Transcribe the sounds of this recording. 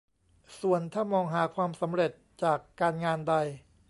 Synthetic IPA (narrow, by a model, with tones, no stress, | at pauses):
su˨˩ənt̪ʰaː˥˩mɔː˧ŋɦaː˩˦kʰwaː˧msa˩˦mɾe˨˩t̪̚t͡ɕaː˨˩kːaː˧nŋaː˧nda˧j